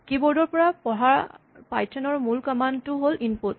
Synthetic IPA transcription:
kibɔɹdɔɹpɔɹapɔɦaɹ | pajtʰɛnɔɹmulkɔmantʊɦolinput

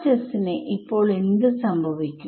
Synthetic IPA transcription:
t͡ɕɐsineʔipːo̞ːɭend̪ɨsɐmbʱɐʋikʲːu

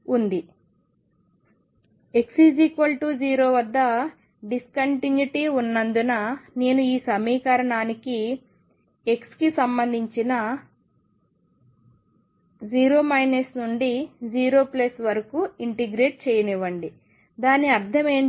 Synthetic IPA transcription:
und̪i | e̞ksid͡ʒikʋɐlʈuːd͡ʒiːɾo̞ːʋɐd̪ːɐ | ɖiskɐɳʈinjuʈiunːɐnd̪unɐne̞ːnuiːsɐmiːkɐɾɐɳaːniki | e̞kskisɐmbɐnd̪ʱiɲt͡ʃinɐ | d͡ʒiːɾo̞ːmɐjnesnuɳɖid͡ʒiːɾo̞ːplɐsʋɐɾɐkuiɳʈeɡɾeːʈ̚t͡ʃɛːjɐniʋɐɳɖi | d̪aːnːiɐɾd̪ʱʰɐme̞ːɳ

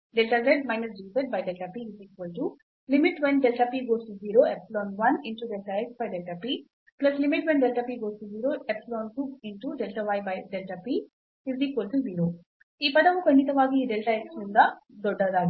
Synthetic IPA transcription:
ɖɛlʈɐɡɾeɖmajnɐsd͡ʒiːpɐʈ̚bɐjɖɛlʈapiizikʋɐlʈu | limiʈʋenɖɛlʈɐpiːɡoːsʈuziːɾoːepslɔːnʋɐniɳʈuɖɛlʈɐeksbɐjɖelʈɐpi | plɐslimiʈʋenɖɛlʈɐpiɡoːsʈuziːɾoːepslɔːnsupiɳʈuɖɛlʈɐʋajbɐjɖelʈɐpi | izikʋolʈuziːɾoː | iːpɐd̪ɐʋukɐɳɖit̪ɐʋaːɡiːɖɛlʈɐeksund̪ad̪ɔɖɐɾaːɡi

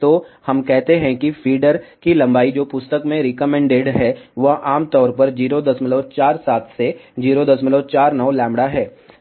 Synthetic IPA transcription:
t̪oːhɐmkɛɦt̪eɦɛ̃kifʰiːɖəɾkilɐ̃mbaːid͡ʒoːpʊst̪əkmẽɾɪkəmɛ̃ɳɖeːɖɦɛːʋɐʔaːmt̪ɔːɾpɐɾd͡ʒiːɾod̪ɐsmɪloːt͡ʃaːɾsaːt̪ʰsed͡ʒiːɾod̪ɐsmɪlot͡ʃaːɾnɔʋlɛ̃ːmbɽaɦɛː

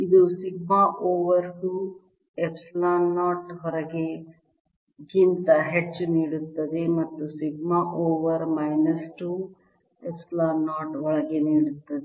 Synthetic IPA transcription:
id̪usiɡmaʔoːʋɐɾɡuː | epslaːnːaːʈɦɔɾɐɡe | ɡint̪ɐɦet͡ʃːniːɽut̪ːɐd̪emɐt̪ːusiɡmaʔoːʋɐɾmɐjnɐsʈu | epsɐlaːnːaːʈɦɔɭɐɡeniːɽut̪ːɐd̪e

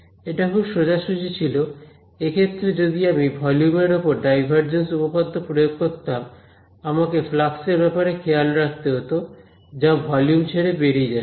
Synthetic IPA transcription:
eʈakʰubʃod͡ʑaʃud͡ʑit͡ɕʰilo | ekʰet̪ːɾed͡ʑod̪iamibʱɔljumeɾopoɾɖajbʱaɾd͡ʑensupopad̪ːopɾojoɡ̚koɾt̪am | amakeflakseɾbɛpaɾekʰejalɾak̚t̪eɦot̪o | d͡ʑabʱɔljumt͡ɕʰeɾebeɽied͡ʑa

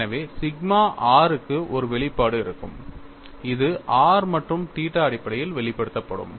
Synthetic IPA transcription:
ɐʋeːsɪɡmaːʔaːɾɯkːɯʔɔɾɯʋɛɭɪpːaːɽɯɪɾɯkːɯ̰m | ɪðɯʔaːɾmɐʈrɯmʈiːʈːɐɐɽɪpːɐɽɐjɪlʋɛɭɪpːɐɽɯt̪ːɐpːɐɽɯ̰m

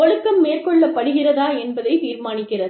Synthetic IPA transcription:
ɔɻɯkːɐmːeːrkɔɭːɐpːɐɽɯɣɪrɐðaːɛnbɐðɐɪt̪iːɾmaːnɪkːɪrɐð

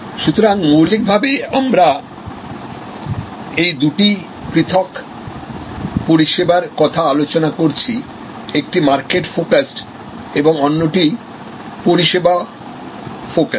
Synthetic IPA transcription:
ʃut̪ʰoɾaŋmuwlik̚bʱabeamɾa | ejd̪uʈi | pɾit̪ʰok | poɾiʃebaɾkɔt̪ʰaalot͡ɕonakoɾt͡ɕʰi | ek̚ʈimaɾkeʈfokasʈ | eboŋonːoʈi | poɾiʃeba | fokas

